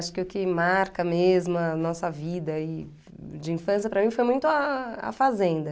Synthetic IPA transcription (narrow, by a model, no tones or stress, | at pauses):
ʃʊ̥kɪʊkɪmaɾkɐmezmʊɐnɔsɐvid̪ɐi | d͡ʒɪĩfɐ̃sijɐpɾɐmĩfojmũj̃t̪ʊɐa̰fazẽnd̪ɐ